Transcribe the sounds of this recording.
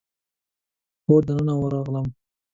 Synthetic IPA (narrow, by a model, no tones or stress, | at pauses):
xod̪ənənawəɾɑɣləm